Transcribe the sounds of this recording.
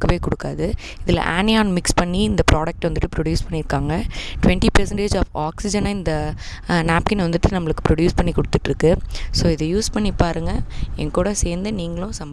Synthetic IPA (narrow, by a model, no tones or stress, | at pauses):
kːɐʋeːkʊɽɯkːaːðɯ | ɪðɪlɐ̰ʔa̰ːnɪaːnmɪkspɐɳːiɪnd̪ɐpɾʔaːɽɐk̚ʈʋɐnd̪ɯʈːɯpɾɔɽjuːspɐɳːɪɾɯkːaːŋɡɐʈʊʋɛɳʈipɾɛsɐɳʈeːd͡ʒaːfaːksɪd͡ʒɐnɐɪnd̪ɐ | naːpkɪnʋɐnd̪ɯʈːɯnɐmːɐɭɯkːɯ̥pɾɔɽjuːspɐɳːikɔɽɯt̪ːɯʈːɾɯkːɯsoːɪðɯjuːspɐɳːipaːɾɯŋɡɐɛ̰ŋkuːɽɐseːɾnd̪ɯniːŋɡɐɭʊ̃sɐmɐ